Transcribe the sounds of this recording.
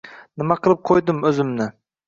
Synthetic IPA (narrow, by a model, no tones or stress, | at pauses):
nɪmɑqʰəlˠɨp̚qʰojd̪ɨmøzɪmnɪ